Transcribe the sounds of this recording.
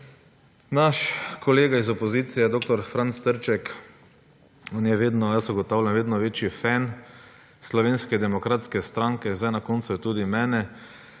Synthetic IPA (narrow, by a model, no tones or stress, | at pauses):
naʃkɔleːɡaizɔpɔziːt̪sijɛd̪oːkt̪ɔɾfɾant̪st̪əɾt͡ʃɛk | oːnjɛʋeːd̪nɔjasuɡɔt̪aʊlʲjanʋeːd̪nɔʋeːt͡ʃifɛn | slɔʋeːnskɛd̪ɛmɔkɾat̪skɛst̪ɾaŋkɛzajnakont̪sujɛt̪uːd̪imɛːnɛ